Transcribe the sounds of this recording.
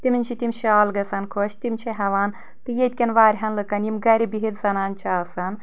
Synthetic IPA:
t̪iminʲt͡ʃʰit̪imʲʃaːlɡɐsɐnkʰoːʃʰt̪imʲt͡ʃʰɐɦɐʋaːn | t̪ɨjet̪̚ʲkʲɐnʋaːɾʲɦɐnlɨkɐnjimɡɐɾʲibiɦiɾzɐnaːnt͡ʃʰaːsɐn

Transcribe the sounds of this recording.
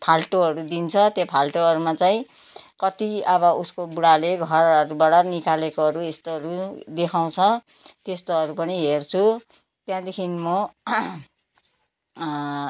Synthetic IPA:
pʰalʈoɦʌɾud̪int͡sʰʌt̪jãpʰalʈoɦʌɾumat͡saĩ | kʌt̪iʌβʌuskobuɽaleɡʱʌrʌɾubaɽʌnikalekoɦʌɾuest̪oɦʌɾud̪ekʰaw̃t͡sʰʌ | t̪est̪oʌɾupʌniɦert͡sʰu | t̪jãd̪ekʰinmo

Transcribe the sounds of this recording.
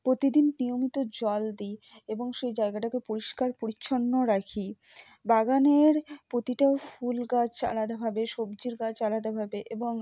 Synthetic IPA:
pɾot̪id̪innijomit̪od͡ʑɔld̪i | eboŋʃejd͡ʑaeɡaʈakepoɾiʃkaɾpoɾiːɕʰonːoɾakʰi | baɡaneɾpɾot̪iʈaofulɡat͡ɕʰt͡ɕa̰lad̪abʱabeʃobd͡ʑiɾɡat͡ɕalad̪abʱabeʔeboŋ

